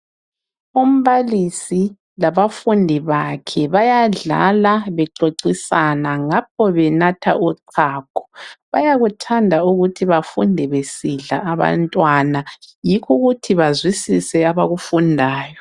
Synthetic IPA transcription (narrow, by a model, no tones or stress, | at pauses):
um̩βalisi | laβafundʱiβakʰɛβajaɮa̰laβɛǃoǀisanaŋap̚ʰɔβɛnatʰa̰ʔuǀʰaːkʰɔ̥βajaɣutʰandʱauɣutʰiβafundʱɛβesiɮaʔːβa̰ntʼwanajikʰuɣutʰiβazwisisɛaβaɣufundʱaːjɔ